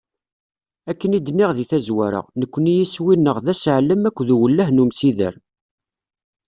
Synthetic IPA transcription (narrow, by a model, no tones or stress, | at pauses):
ækːənid̪niʁðiθæzwæɾə̰ʁnəkʷːənijiswinːəʁðæsʕəlːəmækʷːðuwəlːæhnumsiðə̰ɾ